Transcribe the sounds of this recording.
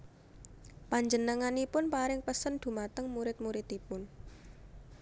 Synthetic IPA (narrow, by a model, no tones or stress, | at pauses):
paɲd͡ʒənəŋanipʊnpaɾɪŋpəsənd̪̥ṳmat̪əŋmuɾɪt̪̚muɾɪt̪ipʊn